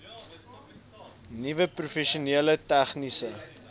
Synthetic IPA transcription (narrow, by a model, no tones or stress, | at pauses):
nivəprufɛʃiuniələtæχnisə